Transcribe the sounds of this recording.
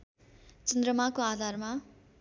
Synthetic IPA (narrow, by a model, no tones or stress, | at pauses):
t͡sʌnd̪ɾʌmakoad̪ʱarma